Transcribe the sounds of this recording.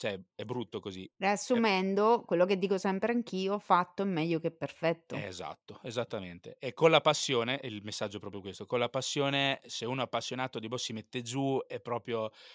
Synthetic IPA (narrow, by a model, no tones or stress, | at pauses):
t͡ʃoɛɛbːɾut̪ːokozireasːumɛnd̪okwelːoked̪ːiːkosɛmpɾeaŋkiːofat̪ːoɛmːɛʎːokepːerfɛt̪ːoeza̰t̪ːoezat̪ːament̪ḛɛkːonlapasːjoːneʔilmesːad͡ʒːoɛpɾɔːpɾjokwest̪okolːapasːjoːneseuːnoapːasːjonaːt̪od̪ibɔsːimet̪ːed͡ʒuɛpːɾɔːpɾjo